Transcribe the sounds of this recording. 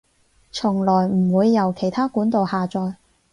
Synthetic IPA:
t͡sʰʊ˨˩ŋlɔː˨˩jm̩˨˩wuː˨˧jːɐ˨˩wkʰe˨˩jt̪ʰaː˥kuː˨˥nt̪o˨˧whaː˨t͡sɔː˨j

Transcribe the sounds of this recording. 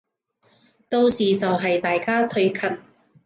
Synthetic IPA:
t̪o˧wsiː˨t͡sɐ˨wɦɐ˨jt̪aː˨jkaː˥t̪ʰɵ˧ɥkʰɐ˨˥t̚

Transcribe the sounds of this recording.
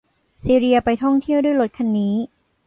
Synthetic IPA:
siː˧ɾi˧ɐpa˧jt̪ʰɔ˥˩ŋt̪ʰi˥˩əwdu˥˩jlo˦˥t̪̚kʰa˧nːiː˦˥

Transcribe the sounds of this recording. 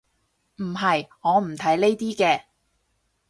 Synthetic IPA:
m̩˨˩ɦɐ˨jŋɔː˨˧m̩˨˩t̪ʰɐ˨˥jle˥jt̪iː˥kɛː˧

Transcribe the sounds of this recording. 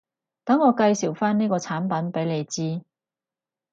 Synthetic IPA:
t̪ɐ˨˥ŋːɔː˨˧kɐ˧jsiː˨˩wfaː˥niː˥kɔː˧t͡sʰaː˨˥npɐ˨˥npe˨˥jle˨˧jt͡siː˥

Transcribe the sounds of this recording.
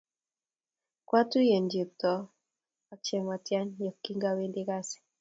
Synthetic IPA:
kwa˦tu˦je˨nd͡ʒi˨p̚tɔ˨ | a˨kt͡ʃɛ˨ma˨tja˦njɔ˨kːi˦ŋɡa˦we˦ndɪ˦ka˦sɛ̥˨

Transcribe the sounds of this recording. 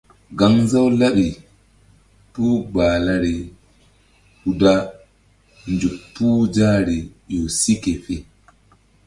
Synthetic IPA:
ɡa˨ŋza˦wla˦ɓi˨ | puː˦ɡ͡baː˨la˦ɾɛ˨ | hu˨da˦ | nd͡ʒu˨pːu˦d͡ʒaː˦ɾi˨jɔ˨si˦kɛ˨fɛ˨

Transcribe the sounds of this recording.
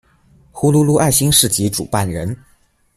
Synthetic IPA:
xu˥lu˥lu˥˧ʔa˥˩ɪɕi˥ŋʂɻ̩˥˩t͡ɕi˧˥ʈ͡ʂṵ˨˩pa˥˩nɻə˧˥n

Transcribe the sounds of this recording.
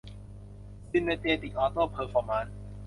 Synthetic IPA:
si˧me˧t̪eː˧t̪i˨k̚ʔɔː˧t̪ɤː˥˩pʰəː˧fɔː˧ma˧˥n

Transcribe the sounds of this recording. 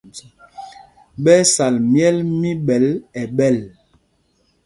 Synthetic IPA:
ɓɛ˦sa˨lmjɛ˦lmi˦ɓɛ˨˦lɛ˨ɓɛ˦˨l

